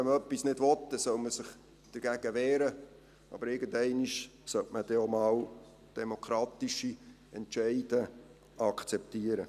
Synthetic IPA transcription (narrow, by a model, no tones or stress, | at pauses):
ɛmœpːisnɪdʋɔtdɛsœwməsɪχ | d̥əɾɡ̥æɡ̥əʋɛːɾə | ɑ̰bəɾɪɡəndɛɪniʃsœtməd̥ɛomɑːw | d̥ɛmokʰɾɑːt̪iʃi | ɛntt͡ʃɛɪd̥ə | ɑkt͡sɛp̚tiːəɾə